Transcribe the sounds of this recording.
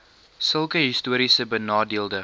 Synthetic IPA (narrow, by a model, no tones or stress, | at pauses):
səlˠkəɦistuəɾisəbənɑːdiəlˠdə